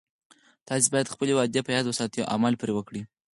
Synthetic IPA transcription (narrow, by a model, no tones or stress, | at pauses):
t̪ɑsibɑjad̪xpəlewɑd̪japəjɑd̪wəsɑt̪ə̰ʔa̰məlpɾewəkɽi